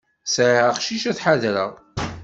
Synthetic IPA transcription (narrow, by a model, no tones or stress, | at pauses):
sʕəχʃiʃæθħaðɾəʁ